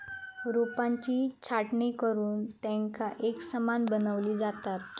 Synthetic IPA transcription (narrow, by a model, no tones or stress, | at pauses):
ɾupãɲt͡ɕiːt͡ɕʰaʈɳikəɾuːnt̪ɛ̃ŋkaʔeksəmanbənəʋliːd͡zat̪at̪̚